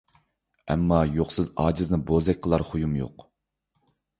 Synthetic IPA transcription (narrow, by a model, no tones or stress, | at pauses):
ɛmːɑjoχsɨzɑːd͡ʒɨznɨbozɛkʲqʰəlˠɑɾχʊjumjo̰q